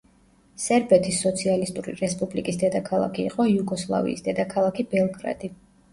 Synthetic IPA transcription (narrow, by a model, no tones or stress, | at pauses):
sɛɾbɛt̪ʰisːɔt̪sʰialist̪ʼuɾḭɾɛspʼublikʼisd̪ɛd̪akʰalˠa̰kʰḭːqʼɔjuɡɔslˠa̰vḭːsd̪ɛd̪akʰalˠakʰibɛlˠɡɾa̰d̪̥i